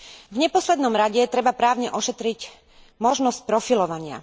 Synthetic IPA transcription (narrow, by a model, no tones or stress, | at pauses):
vɲɛpɔslɛd̪nɔmɾaɟɛt̪ɾɛbapɾaːʊɲɛʔɔʃɛt̪ɾic | mɔʒnɔsc̚pɾɔfilɔʋaɲɪa̰